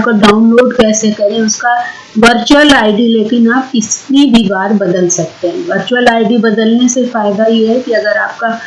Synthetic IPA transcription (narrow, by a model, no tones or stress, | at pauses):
p̚koɖaːʊnloːɖkɛːsekɐɾẽʊska | ʋɐɾt͡ʃuwəlaːɪɖileːkɪnaːp̚kɪsnibʱibaːɾbɐd̪əlsɐk̚t̪ẽɦɛ̃ʋɐɾt͡ʃuəlaːɪɖibɐd̪əlnesefaːɪd̪ajeɦɛkiɐɡəɾaːp̚ka